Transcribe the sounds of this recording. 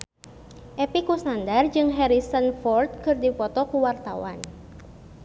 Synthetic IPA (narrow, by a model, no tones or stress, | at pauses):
ʔepikusnandard͡ʒɨŋɦɛɾisənfɔrt̪̚kɨrdipɔt̪ɔkuwart̪a̰wa̰n